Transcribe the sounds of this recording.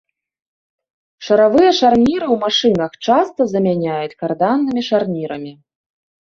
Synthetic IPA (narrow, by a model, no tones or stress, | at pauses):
ʂɐɾavɨjɛʂarnʲiɾɨwmaʂɨnɐxt͡ʂast̪ɐzɐmʲanʲajut͡sʲkard̪anːɨmʲiʂarnʲiɾɐmʲi